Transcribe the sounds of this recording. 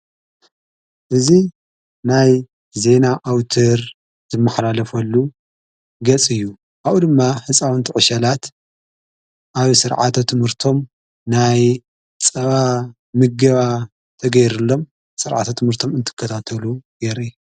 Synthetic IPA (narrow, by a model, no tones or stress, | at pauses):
ʔɨzi | naj | ze̞naʔawt̪ʰɐɾ | zɨmːɐħlalɐfɐlːu | ɡɐt͡sʼɨjːu | ʔawʔud̪ɨmːaħɨt͡sʼawɨnt̪ʰɨʕɨʃɐlat̪ | ʔaβsɨɾʕa̰t̪ʰot̪ʰɨmhɨɾt̪ʰo̞m | naj | t͡sʼɐβa | mɨɡɐβa | t̪ʰɐɡɐjɾɨlːo̞m | sɨɾʕa̰t̪ʰot̪ʰɨmhɨɾt̪ʰo̞mɨnt̪ʰɨ̥kʰːɐt̪ʰat̪ʰɐluɡeɾi